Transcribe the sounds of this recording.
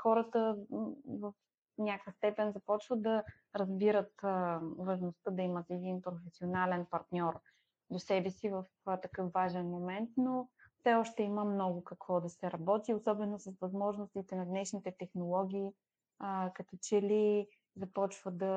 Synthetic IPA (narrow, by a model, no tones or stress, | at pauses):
xɔɾət̪ə | vəf | nʲakjəst̪ɛpɛnzɐpɔt͡ʃvəd̪ɐ | ɾɐzbiɾət̪vɐʒnost̪əd̪ɐimət̪ɛd̪inpɾofɛsionalɛnpɐɾt̪nʲɔɾ | d̪osɛbɛsivəft̪ɐkɤfvaʒɛnmomɛnt̪nofsɛɔʃt̪ɛiməmnɔɡʊkɐkvɔd̪ɐsɛɾɐbɔt̪iosɔbɛnosɐsvɐzmɔʒnost̪it̪ɛnɐd̪nɛʃnit̪ɛt̪ɛxnolˠɔɡ̟iː | kɐt̪ɔt͡ʃɛli | zɐpɔt͡ʃvəd̪ɐ